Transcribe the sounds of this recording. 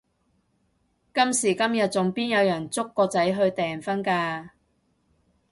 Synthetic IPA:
kɐ˥msiː˨˩kɐ˥mjɐ˨t̚t͡sʊ˨ŋpiː˥njɐ˨˧wjɐ˨˩nt͡sʊ˥kːɔː˧t͡sɐ˨˥jɦɵ˧ɥt̪ɛː˨nfɐ˥nkaː˧

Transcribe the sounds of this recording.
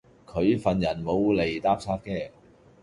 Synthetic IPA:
kʰɵ˨˧ɥfɐ˨˩njɐ˨˩nmo˨˧wle˨˩jt̪aː˥p̚sʰaː˥k̚kːɛː˥˩

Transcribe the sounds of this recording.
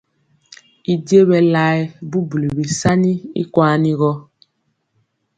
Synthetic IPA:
i˨di˦e˦βɛ˨la˦ɛ˦bu˦bu˨le˨bi˨sa˦ni˦ḭ˦kwa˦ni˦ɣɔ˦

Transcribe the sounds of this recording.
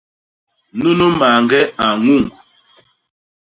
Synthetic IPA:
nu˦no˦ma˨ŋ˨ɡɛ˦a˨ŋu˦˨ŋ

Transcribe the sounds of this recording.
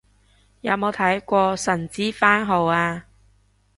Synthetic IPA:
jɐ˨˧˥wmo˨˧wt̪ʰɐ˨˥jkʷɔː˧sɐ˨˩nt͡siː˥faː˥nɦo˨˧waː˧

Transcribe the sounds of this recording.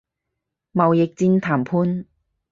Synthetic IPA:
mɐ˨wjɪ˨k̚t͡siː˧nt̪ʰaː˨˩mpʰuː˧n

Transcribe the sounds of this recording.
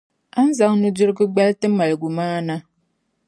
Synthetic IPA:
a˦n̩˦za˦ŋnu˦d͡ʒu˦ɾɡɨ˦ɡ͡ba˦ltɨ˦ma˨lɡu˨maː˦na˦

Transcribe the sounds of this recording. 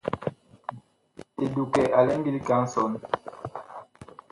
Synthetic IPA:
e˨du˨kɛ˨ʔa˨lɛ˦ŋɡi˦li˦ka˦ŋ̩˦sɔ˨˦n

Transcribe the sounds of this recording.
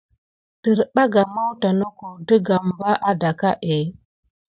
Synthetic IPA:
tə˨ɾɓa˦ɡa˨ma˦wta˨nə˦ko˨də˦ɡa˨m˨ba˦ʔa˦da˨ka˦ʔe˨˦

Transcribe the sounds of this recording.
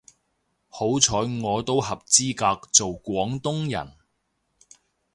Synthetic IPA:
ho˨˥wt͡sʰɔː˨˥ŋɔː˨˧t̪o˥whɐ˨p̚t͡siː˥kaː˧k̚t͡so˨wkʷɔː˨˥ŋt̪ʊ˥ŋjɐ̰˨˩n

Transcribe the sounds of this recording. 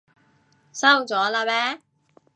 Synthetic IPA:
sɐ˥wt͡sɔː˨˥laː˧pɛː˦˥

